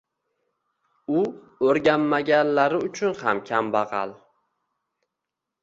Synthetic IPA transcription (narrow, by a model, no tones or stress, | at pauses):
ʊ | oɾɡʲanːaɡʲanlaɾɪʊt͡ʃʰʊnhamkʲʰambɑʁɑ̰lˠ